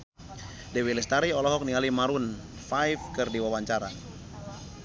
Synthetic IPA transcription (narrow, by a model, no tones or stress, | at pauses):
dɛwilɛst̪aɾiɔlɔɦɔk̚nialimaɾun | fajfkərdiwawaɲt͡ʃaɾa